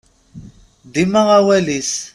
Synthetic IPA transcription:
dimaɣawɛlis

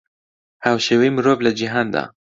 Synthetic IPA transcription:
haːwʃeːwejmɨɾoːvlad͡ʒiɦaːnd̪a̰ː

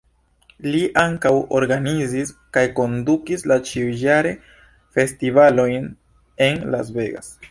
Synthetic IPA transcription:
liʔaŋkawo̞̰ɾɡaniziskajko̞ndukislat͡ʃiujaɾe̞ | fe̞stivalo̞jn | e̞nla̰zbe̞ɡa̰s

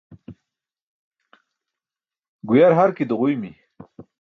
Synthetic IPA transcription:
ɡujaɾɦaɾkid̪əʁujmi

